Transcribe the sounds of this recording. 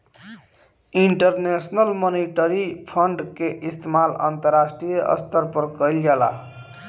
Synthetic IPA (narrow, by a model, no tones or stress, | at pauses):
iɳʈəɾnesnəlmoniʈəɾipʰəɳɖkeʔist̪ʰemalə̰nt̪əɾːasʈɾijeʔə̰st̪ʰəɾpəɾkəjld͡ʒala̰